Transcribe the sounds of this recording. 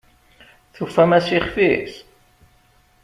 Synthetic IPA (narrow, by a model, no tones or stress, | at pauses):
θufːæmæsiχfiθ